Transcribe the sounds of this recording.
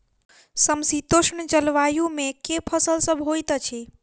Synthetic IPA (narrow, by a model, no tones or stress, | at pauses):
səmsit̪oʃnt͡ʃəlʋajumekepʰəsəlsəbʱɦojt̪t͡ʃʰi